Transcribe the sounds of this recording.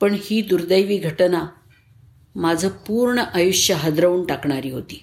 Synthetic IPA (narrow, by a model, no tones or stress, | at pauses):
pəɳhiːd̪uɾd̪əjʋiːɡʱəʈna | mad͡zʱəpuɾɳəʔajuʂjəɦəd̪ɾəuːɳʈakɳaɾiːɦot̪iː